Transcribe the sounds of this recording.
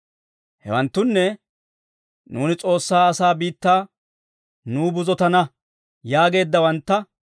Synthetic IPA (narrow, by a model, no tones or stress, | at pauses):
hɛ̰wɐnt̪ːʊnːɛ | nuːnɪt͡sʼo̞ːsːaːɐsaːbiːt̪ːaː | nuːbʊzɔt̪ɐnɐ | jaːɡe̞ːd̪ːɐwɐnt̪ːɐ